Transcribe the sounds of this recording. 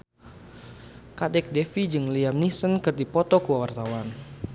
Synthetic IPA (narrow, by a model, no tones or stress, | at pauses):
kadɛk̚dɛfid͡ʒɨŋliamnisənkɨrdipɔt̪ɔkuwawart̪awan